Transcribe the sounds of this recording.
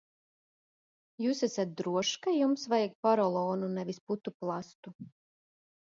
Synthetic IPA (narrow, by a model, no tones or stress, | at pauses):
juːsæsat̪̚d̪ɾuɔʃkajumsvajɛɡ̚paɾɔlˠɔːnunɛʋisput̪uplˠast̪u